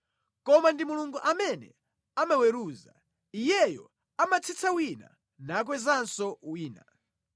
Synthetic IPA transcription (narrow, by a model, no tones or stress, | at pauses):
kɔmandimuluŋɡuʔamɛnɛ̰ | amawɛɾuːza̰ | ijɛjɔ | amat͡sʰit͡sʰawina̰ | naːk̬wɛzansɔwiːna